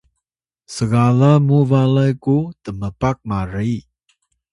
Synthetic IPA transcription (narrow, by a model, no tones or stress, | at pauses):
səɡalamuvalajkut̪əməpak̚maɾi